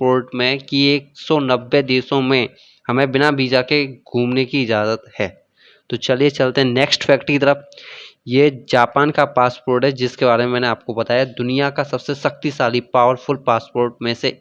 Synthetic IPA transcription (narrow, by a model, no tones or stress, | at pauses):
poːɾʈmẽkieːksɔnɐbːed̪eːsõmẽ | hɐmẽbɪnabiːd͡ʒakeɡʱũːmnekiɪd͡ʒaːzət̪hɛː | t̪ot͡ʃɐliet͡ʃɐlt̪eɦɛ̃neːksʈfʰɛːkʈkit̪əɾəfjed͡ʒaːpaːnkapaːspoːɾʈɦɛd͡ʒɪskebaːɾemẽmɛːneaːp̚kobɐt̪aːjad̪ʊnijakasɐbsesɐxt̪isaːlipaːʋəɾfʊlpaːspoːɾʈmẽse